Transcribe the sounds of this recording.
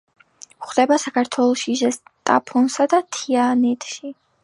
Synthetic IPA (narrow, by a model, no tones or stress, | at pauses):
χd̪ɛbasakʰaɾt̪ʰwɛlˠɔʃiʒɛst̪ʼa̰pʰɔnsad̪at̪ʰianɛt̪ʼʃi